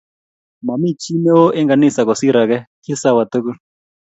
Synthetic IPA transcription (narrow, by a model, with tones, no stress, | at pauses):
ma˨mi˦˨t͡ʃʰi˦nɛ˦wɔ˦ʔɛ˦ŋɡa˨ni˦˨sa˨kɔ˨si˦ɾa˨kɛ˦kʰi˦sa˦˨wa˨t̪u˦ku˦